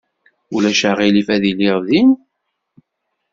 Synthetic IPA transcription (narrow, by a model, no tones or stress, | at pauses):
ulæʃaʁilifæðiliʁðin